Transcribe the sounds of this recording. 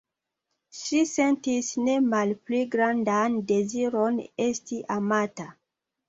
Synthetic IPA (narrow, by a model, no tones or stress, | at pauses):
ʃise̞ntisne̞malpliɡɾandande̞ziɾo̞ne̞stiʔamata